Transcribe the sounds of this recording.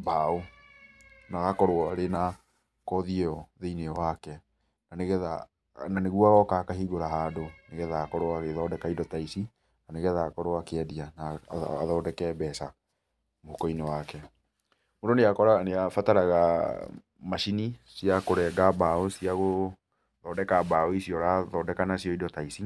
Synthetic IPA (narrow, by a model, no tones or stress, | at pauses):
bao | naɣakɔɾoɔɾena | kɔðiɛɔðeineɔwakɛ | naneɣɛða | naneɣuaɣɔkakaɦiɣoɾaɦaːdoneɣɛðakɔɾoaɣeðɔːdɛkaidɔtaisi | naneɣɛðakɔɾoakeɛdianaa̰ðɔːdɛkɛbɛsa | mohukɔinewakɛ | mondɔneakɔɾaneafataɾaɣa̰ | maʃinisiakoɾɛɡabaɔsiaɣo | ðɔːdɛkabaɔisijɔɾaðɔdɛkanasiɔidɔtaisi